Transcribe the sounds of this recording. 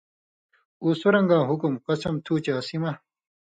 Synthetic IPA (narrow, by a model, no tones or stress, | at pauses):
uːsuɾɐŋɡãːɦukumqɐsɐmt̪ʰuːt͡ɕaːsimɐ